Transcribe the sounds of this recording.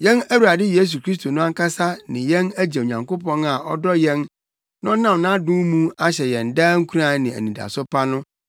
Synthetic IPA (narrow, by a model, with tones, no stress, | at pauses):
jɛ̃˦næ˦wu˨ɾa˨dɪ˦je˦s̬u˨kɾi˦s̬t̪ʰo˨nʊ̃˦a˦ŋ˦kʰa˦sa˦nɪ̃˨jɛ̃˦næ˦d͡ʑe˨o˨ɲã˨ŋko˦pɔ̃˦na˨ʔɔ˦dɔ˦jɛ̃˦n | nʊ̃˦nã˦˨mnã˦dʊ̃˦mũ˦a˦ɕɛ˨jɛ̃˨n̩˨daː˦ŋ̩˦kʰu˦ɾa˨˦nɪ̃˨æ̰˨nĩ˨da̰˨sʊ˦pʰa˦nʊ̃˦